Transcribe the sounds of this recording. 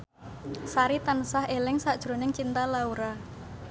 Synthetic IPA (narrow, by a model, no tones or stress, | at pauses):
saɾit̪anəsaɦelɪŋsaʔd̥ʒ̥ɾo̤nɪŋt͡ʃint̪alauɾa